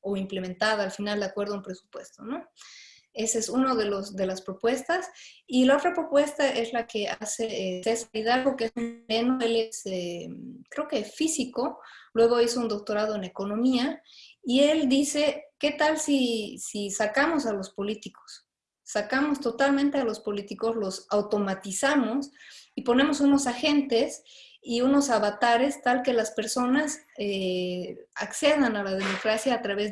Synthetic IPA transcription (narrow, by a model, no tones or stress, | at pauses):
o̞imple̞mẽnt̪aðaːlfinald̪akwe̞ɾðaumpɾesu̥pwe̞st̪o̞no̞ | e̞sesunoðe̞losðe̞laspɾo̞pwe̞st̪asilao̞t̪ɾapɾo̞pwe̞st̪aʔe̞zlake̞asesesaliðaɾɣo̞keesunle̞noe̞le̞sekɾe̞okesfisiko̞lwe̞ɣ̞o̞iso̞und̪o̞k̚t̪o̞ɾað̞oene̞ko̞nõ̞miaie̞ld̪ise̞ke̞t̪alsisisakamo̞salo̞spo̞lit̪iko̥sː | akamo̞st̪o̞t̪almẽnt̪e̞alo̞spo̞lit̪iko̞zlo̞sawt̪o̞mat̪isamo̞sipo̞ne̞mo̞suno̞saxe̞nt̪e̞s | iunosaβat̪aɾe̞st̪alke̞laspe̞ɾso̞nase | akse̞ð̞analaðemokɾasjaːt̪ɾaβe